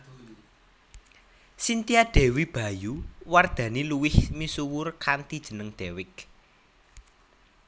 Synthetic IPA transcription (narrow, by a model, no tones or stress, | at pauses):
sint̪iad̥ɛ̤wib̥a̤juward̪̥ä̤niluwɪhmisuwʊrkant̪id̥ʒ̥ə̤nəŋd̪̥ɛwɪk̚